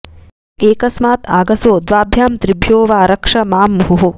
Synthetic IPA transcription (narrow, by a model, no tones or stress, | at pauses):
eːkɐsmaːt̪aːɡɐsoːd̪ʋaːbʱjaːmt̪ɾibʱjoːʋaːɾɐkʂɐmaːmːuɦuɦu